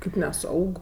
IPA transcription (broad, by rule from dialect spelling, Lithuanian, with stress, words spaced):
kɐɪp nʲɛˈsɐʊk